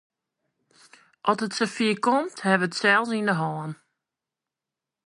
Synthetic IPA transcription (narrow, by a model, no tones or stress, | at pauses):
ʔɔsətsəfiəkɔmthɛvəətsɛlˠsindəɦɔːn